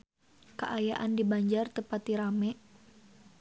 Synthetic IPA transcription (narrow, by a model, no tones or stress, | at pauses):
kaʔajaʔandibaɲd͡ʒart̪əpat̪iɾamɛʔ